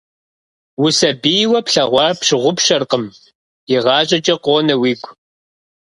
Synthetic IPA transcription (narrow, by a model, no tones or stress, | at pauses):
wʊsɐbiːwɐpɬɐʁʷɑpɕɪʁʷʊpʃɐrqəm | jɪʁɑːɕʼɐt͡ʃʼɐqʷoːnɐwiːkʷʰʼ